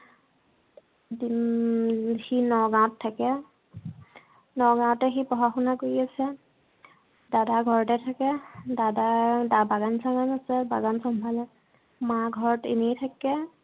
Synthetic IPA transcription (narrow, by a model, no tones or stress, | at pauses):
di | xinɔɡãɔ̃tʰːakɛ | nɔɡãtɛxipɔɦaxunakoɹiasɛ | dadaɡʱɔɹɔtɛtʰakɛdadadabaɡansaɡanasɛbaɡansɔmbʱalɛ | maɡʱɔɹɔtḭnitʰakɛ